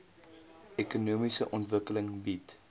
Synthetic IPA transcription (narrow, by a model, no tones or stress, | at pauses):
ɛkunuəmisəʔɔntvəkələŋbit